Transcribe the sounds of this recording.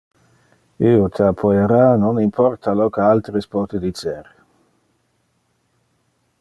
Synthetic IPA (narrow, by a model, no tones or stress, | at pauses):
iːot̪ʰeapʰːojeɾanonimpʰɔrt̪alɔkealt̪ɾespɔːt̪ed̪it͡ʃeɾ